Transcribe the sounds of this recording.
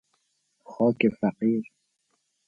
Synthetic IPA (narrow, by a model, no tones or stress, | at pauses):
xɔːkefaqiːɾ